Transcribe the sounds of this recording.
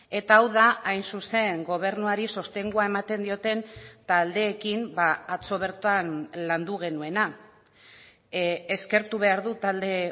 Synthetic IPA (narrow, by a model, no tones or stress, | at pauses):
e̞t̪aːwðaajnsuse̞ŋɡo̞β̞e̞ɾnuaɾiso̞st̪e̞ŋɡuae̞mat̪e̞nd̪io̞t̪e̞nt̪ald̪e̞ːkimbaat͡so̞β̞e̞ɾt̪anland̪uɣ̞e̞nue̞na | eske̞ɾt̪uβ̞e̞aɾðut̪ald̪e̞